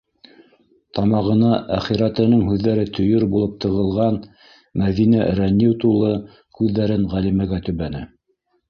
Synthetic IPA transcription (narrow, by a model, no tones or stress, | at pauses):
t̪ɑmɑʁɤ̆nɑʔæχiɾæt̪ɘ̆nɤŋɦʉðːæɾɘt̪ʰɵ̆jɵɾbulˠɤp̚t̪ʰɤ̆ʁɤ̆lˠʁɑn | mæðinæɾænʲːiwt̪ulˠɤ | kʉðːæɾɘnʁælimæɡæt̪ɵ̆βænɘ